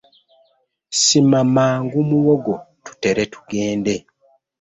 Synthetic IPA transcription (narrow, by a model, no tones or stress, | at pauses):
simamaːŋɡumuwoɡotu̥te̞ɾe̞tu̥ɡeːnde̞